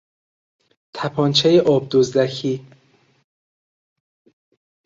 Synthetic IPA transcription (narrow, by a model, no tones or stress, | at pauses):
t̪ʰæpʰɒːnt͡ʃʰejeʔɒːb̚d̪ozd̪ækʰiː